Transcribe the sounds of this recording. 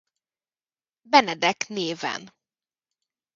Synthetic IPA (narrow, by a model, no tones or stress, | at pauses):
bɛnɛd̪ɛkneːvɛ̰n